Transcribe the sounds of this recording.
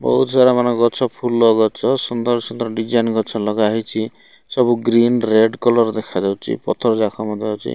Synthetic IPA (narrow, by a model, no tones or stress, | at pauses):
bɔ̰ɦut̪ʰɔsaɾamanɔɡɔt͡ʃʰɔpʰulɔɡɔt͡ʃʰɔsɔnd̪ɔɾsɔnd̪ɔɾɔɖid͡ʒajnɡɔt͡ʃʰɔlɔɡaɦit͡ʃʰi | sɔbuɡɾinɾeɖkɔlɔɾd̪ekʰad͡ʒawt͡ʃʰḭpɔt̪ʰɔɾɔd͡ʒakʰɔmɔd̪ɔawt͡ʃʰḭ